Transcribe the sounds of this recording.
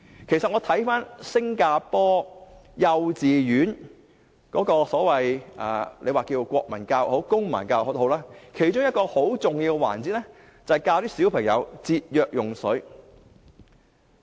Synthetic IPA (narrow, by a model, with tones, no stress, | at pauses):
kʰe˨˩jsɐ˨t̚ŋɔː˨˧t̪ʰɐ˨˥jfaː˥nsɪ˥ŋkaː˧pɔː˥jɐ˧wt͡siː˨˩jyː˨˥n | kɔː˨˥kɔː˧sɔː˨˥wɐ˨jʔa̰ː˨lʔḛ˨˧jwaː˨kiː˧wkʷɔː˧k̚mɐ˨˩nkaː˧who˨˥wkʊ˥ŋmɐ̰˨˩nkaː˧wo˧˥t̪ho˨˧wlaː˥kʰe˨˩jt͡ʃʊ˥ŋjɐ˥t̚kɔː˧ho˨˥wt͡sʊ˨ŋjiː˧wkwa̰ː˨˩nt͡si˨˥t̚nɛ˥ | t͡sɐ˨ɐ˨jkaː˧wt̪iː˥siː˨˥wpʰɐ˨˩ŋjɐ̰˨˧wt͡siː˧t̚jœː˨k̚jʊ˨˩ŋsɵ˨˥ɥ